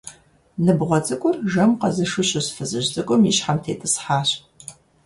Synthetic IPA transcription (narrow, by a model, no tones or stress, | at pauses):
nɨbʁʷɔt͡sʼɨkʷʼʊrʒɐmqɐzɨʂɨɕʼɪsfɨzɨʑt͡sʼɨkʷʼʊmjiɕħamtʰeːtʼɨsħaːɕ